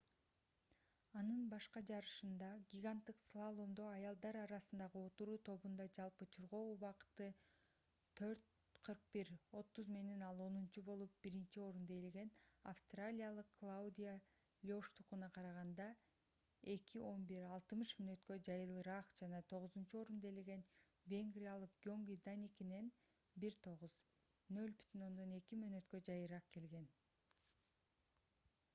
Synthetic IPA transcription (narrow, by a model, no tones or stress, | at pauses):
ɑnɯnbɑʃqɑd͡ʒɑɾɯʃɯnd̪ɑɡʲiɡant̪ːɯqslˠalˠomd̪oɑjɑlˠd̪ɑɾɑɾɑsɯnd̪ɑʁɯo̞t̪uɾuːt̪ʰo̞βund̪ɑd͡ʒɑlˠpɯt͡ʃʰuɾʁo̞uβɑqɯ̥t̪ɯ | t̪ʰø̞ɾt̪̚ | qʰɯɾq̚biɾo̞t̪ːuzme̞ne̞nɑlˠo̞nunt͡ʃubo̞lˠup̚b̥iɾint͡ʃio̞ɾund̪ojelɡe̞nafst̪ralʲijalˠɯqːlˠaud̪ʲija | lʲɪoʃt̪uqunɑqʰɑɾɑʁɑnd̪ɑ | e̞kʰiʔo̞nbiɾɑlˠt̪ɯmɯʃmønø̞t̪kø̞d͡ʒɑjɯlˠɯɾɑqd͡ʒɑnɑt̪ʰo̞ʁɯzunt͡ʃuo̞ɾund̪ejleɡe̞n | vʲe̞ŋɡrʲijalˠɯq̚ɡʲo̞ŋɡijd̪anʲikine̞n | biɾt̪ʰo̞ʁuz | nø̞lʲby̥t̪ʰyno̞nd̪o̞ne̞kimøːnø̞t̪kø̞d͡ʒɑjɯɾɑq̚ke̞lɡe̞n